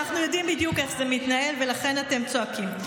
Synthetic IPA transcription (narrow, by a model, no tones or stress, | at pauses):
aχnujo̞dimbidjuke̞χzemit̪nae̞lve̞laχe̞nate̞mt͡so̞akim